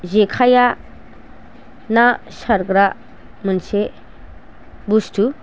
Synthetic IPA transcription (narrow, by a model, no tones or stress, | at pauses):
zekʰaja | na | ʃaɾɡɾa | mənse | bustʰu